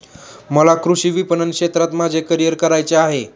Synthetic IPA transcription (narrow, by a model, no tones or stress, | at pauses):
məlakɾuɕiːʋipənənkʂet̪ɾat̪mad͡zʱekəɾijəɾkəɾajt͡seaɦe